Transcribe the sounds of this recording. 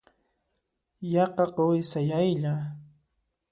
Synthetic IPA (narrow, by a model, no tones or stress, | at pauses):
jɑqɑqowɪsajajʎa